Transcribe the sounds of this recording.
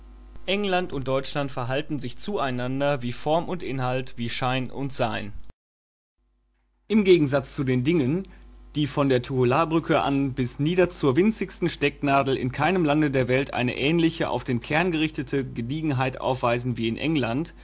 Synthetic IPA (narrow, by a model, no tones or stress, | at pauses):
ʔɛŋlantʊnt̚d̥ɔʏt͡ʃlantfɛɐɦaltn̩zɪçt͡suːaɪnandɐviːfɔɐmʊntʔɪnɦaltv̥iːʃaɪnʔʊ̰ntz̥aɪn | ʔɪmɡeːɡŋ̩zat͡st͡sudeːndɪŋənd̥iːfɔndeːɐtʰuolaːbʁʏkʰəʔa̰nbɪsniːdɐt͡suːɐvɪnt͡sɪçstn̩ʃtɛknaːdl̩ɪ̰nkʰaɪnəmlandədeːɐvɛltʔa̰ɪnə̰ʔɛːnlɪçəʔa̰ʊfd̥eːnkʰɛɐnɡəʁɪçtətʰəɡədiːɡŋ̩ɦaɪtʔa̰ʊfv̥aɪzn̩viːɪnʔɛ̰ŋlant